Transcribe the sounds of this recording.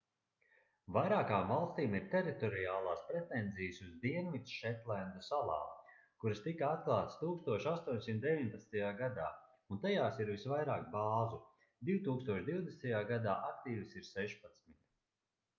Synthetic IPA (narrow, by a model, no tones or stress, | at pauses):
vajɾaːkaːmvalˠst̪iːmiɾt̪ɛɾit̪ɔɾijaːlˠaːspɾɛt̪ɛnzijəsuzd̪iɛnmit̪sʃɛt̪lɛnd̪usalˠa̰ː | kuɾɐst̪ikaat̪̚klˠaːt̪st̪uːkst̪uɔʃast̪uɔɲsimt̪̚d̪eviɲpat̪nt̪ajaːɡad̪aː | unt̪ajaːsiɾvisvajɾaːkbaːzu | d̪iwut̪uːkst̪uɔʃd̪iwd̪est̪ajaːɡad̪aːʔak̚t̪iːvsiɾsɛʃpat̪smit̪